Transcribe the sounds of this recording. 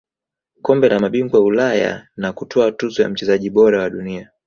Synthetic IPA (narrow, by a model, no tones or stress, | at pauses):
kɔmbɛlamaɓiŋɡwaulaja̰nakutʰɔatuzɔja̰m̩t͡ʃɛzaʄiɓɔɾawaɗunia